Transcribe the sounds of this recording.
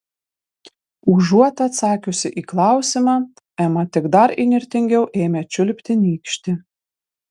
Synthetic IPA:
uːʒuɔt̪ɐɐt̪sɑːkʲʊsʲɪʔiːklˠɑˑʊsʲimɑː | ɛmɐt̪ʲɪɡd̪ɐɾḭnʲɪɾʲt̪ʲɪŋʲɡʲɛʊʔeːmʲɛt͡ʃʲʊlʲpʲt̪ʲɪnʲiːkʃʲt̪ʲɪ

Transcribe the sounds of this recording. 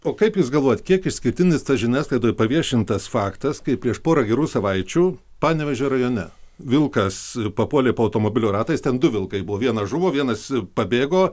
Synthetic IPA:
oːkɐɪpjuːsɡɐlˠʋoːjɛt̪kʲiɛkɪʃsʲkʲɪɾʲt̪ʲɪnʲɪst̪ɐsʒʲɪnʲæːslˠɐɪd̪oːjpɐʋʲiɛʃʲɪnt̪ɐsfɑːkt̪ɐskɐɪpʲɾʲiɛʃpoːɾɐɡʲɛɾuːsɐʋɐɪt͡ʃʲuː | pɑːnʲɛʋʲɛʒʲoːɾɐjoːnʲɛʋʲɪlˠkɐspɐpuɔlʲeːpoːɐʊt̪oːmoːbʲɪlʲʊːɾɑːt̪ɐɪst̪ʲɛnd̪ʊʋʲɪlˠkɐɪbʊʋoːʋʲiɛnɐʒʊʋoːʋʲiɛnɐspɐbʲeːɡoː

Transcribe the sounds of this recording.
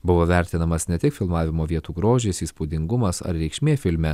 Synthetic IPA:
bʊʋoːʋʲæˑɾʲt̪ʲɪnɐmɐsnʲɛt̪ʲɪkfʲɪlˠmɑːʋʲɪmoːʋʲiɛt̪uːɡɾoːʒʲesiːspuːd̪ʲɪŋɡʊmɐsɐ̰ɾɾʲɛɪkʃʲmʲeːfʲɪlʲmʲɛ

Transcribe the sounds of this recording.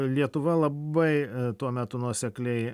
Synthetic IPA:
lʲiɛt̪ʊʋɐlˠɐbɐɪt̪uɔmʲæt̪ʊnuɔsʲɛklʲɛɪ

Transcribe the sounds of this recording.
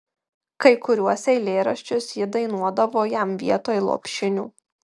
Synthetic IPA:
kɐɪkʊɾʲuɔsʲɛɪlʲeːɾɐʃʲt͡ʃʲʊsjɪd̪ɐɪnuɔd̪ɐʋoːjæmʋʲiɛt̪oːjlˠo̰ːpʲʃʲɪnʲṵː

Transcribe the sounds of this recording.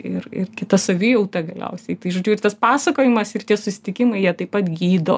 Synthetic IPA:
ɪrɪ̰ɾkʲɪt̪ɐsɐʋʲɪjɛʊt̪ɐɡɐlʲɛ̰ʊsʲɛɪt̪ɐɪʒoːd͡ʒʲuːɪɾt̪ɐspɑːsɐkoːjɪmɐsɪrt̪ʲiɛsʊsʲɪ̥t̪ʲɪkʲɪmɐɪjiɛt̪ɐɪpːɐt̪ɡʲiːd̪o̰ː

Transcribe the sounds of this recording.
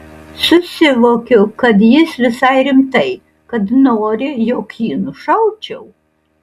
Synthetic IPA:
sʊsʲɪʋoːkʲʊkɐt̪jɪsʋʲɪsɐɪɾʲɪmt̪ɐɪ | kɐd̪noːɾʲɪjoːkjiːnʊʃɐʊt͡ʃʲɛw

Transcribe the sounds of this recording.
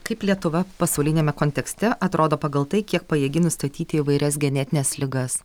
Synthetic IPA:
kɐɪplʲiɛt̪ʊʋɐpɐsɐʊlʲɪnʲeːmʲɛkoːnʲt̪ʲɛksʲt̪ʲɛʔɐt̪ɾʔoːd̪oːpɐɡɐlˠt̪ɐɪkʲiɛk̚pɐjiɛɡʲɪnʊst̪ɐt̪ʲiːt̪ʲɪɪʋɐɪɾʲɛs̬ɡʲɛnʲɛt̪ʲɪnʲɛːslʲɪɡɐs

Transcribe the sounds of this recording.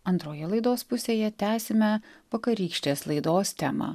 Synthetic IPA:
ɐnt̪ɾoːjɛlˠɐɪd̪oːspʊsʲeːjɛt̪ʲæːsʲɪmʲɛʋɐkɐɾʲiːkʃʲt̪ʲeːslˠɐɪd̪oːst̪ʲæːmɑ̰

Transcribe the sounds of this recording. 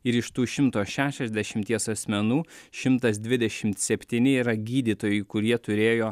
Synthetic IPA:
ɪɾɪʃt̪uːʃʲɪmt̪oːʃʲæːʃʲɛzʲd̪ʲɛʃʲɪmʲt̪ʲiɛsɐsʲmʲɛnuːʃʲɪmt̪ɐs̬d̪ʲʋʲɪd̪ʲɛʃʲɪmt̪sʲɛpʲt̪ʲiːnʲɪiːɾɐɡʲiːd̪ʲiːt̪oːjʊɪkʊɾʲiɛt̪ʊɾʲeːjoː

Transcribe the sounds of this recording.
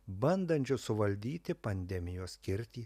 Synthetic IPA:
bɐnd̪ɐnʲt͡ʃʲʊsʊʋɐlʲd̪ʲiːt̪ʲɪpɐnʲd̪ʲɛmʲɪjoːsʲkʲɪɾʲt̪ʲiː

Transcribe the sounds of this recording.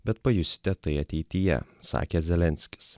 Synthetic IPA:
bʲɛt̪̚pɐjʊsʲɪ̥t̪ʲɛt̪ɐɪɐt̪ʲɛɪt̪ʲɪjɛ̰sɑ̰ːkʲezʲɛlʲɛnʲsʲkʲɪ̥s

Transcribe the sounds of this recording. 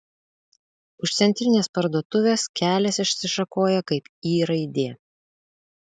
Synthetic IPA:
ʊʃt̪sʲɛnʲt̪ʲɾʲɪnʲeːspɐɾd̪uɔt̪ʊʋʲeːskʲæːlʲɛsɪʃʲsʲɪʃɐkoːjɛkɐɪpiːɾɐɪd̪ʲeː

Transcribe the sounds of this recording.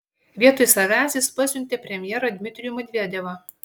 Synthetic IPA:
ʋʲiɛt̪ojsɐʋʲæːˑsʲɪspɑsʲʊnʲt̪ʲeːpʲɾʲɛmʲjɛːɾɐd̪ʲmʲɪt̪ʲɾʲɪjumɐd̪ʲʋʲeːd̪ʲɛʋɐ

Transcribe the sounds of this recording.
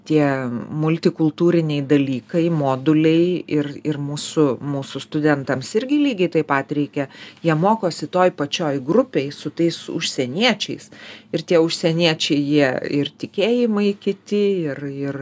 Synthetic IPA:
t̪ʲiɛmʊlʲt̪ʲɪkʊlˠt̪uːɾʲɪnʲɛɪd̪ɐlʲiːkɐɪmoːd̪ʊlʲɛɪɪrɪrmuːsʊmuːsʊst̪ʊd̪ʲɛnt̪ɐmsɪɾʲɡʲɪlʲiːɡʲɛɪt̪ɐɪpɐt̪ɾʲɛɪkʲɛjiɛmoːkoːsʲɪt̪oːjpɐt͡ʃʲoːjɡrʊpʲeɪsʊt̪ɐɪsʊ̰ʃʲsʲɛnʲiɛt͡ʃʲɛɪsɪrt̪ʲiɛʊʃʲsʲɛnʲiɛt͡ʃʲɛɪjiɛɪrt̪ʲɪkʲeːjɪmɐɪkʲɪt̪ʲɪɪrɪr

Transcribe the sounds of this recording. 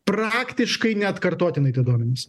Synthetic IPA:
pɾɑːkt̪ʲɪʃkɐɪnʲɛɐt̪kɐɾt̪oːt̪ʲɪnɐɪt̪ɐɪd̪oɔmʲɛnʲɪs

